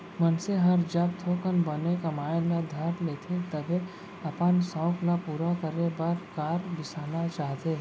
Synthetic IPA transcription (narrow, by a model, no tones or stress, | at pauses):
mənseɦɐɾd͡ʒəb̚t̪ʰoːkənbɐnekamaːjlad̪ʱɐɾleːt̪ʰet̪ɐbʱe | ɐpənsɔ̃ːklapuːɾakəɾebɐɾkaːɾbɪsaːnat͡ʃaːɦt̪eː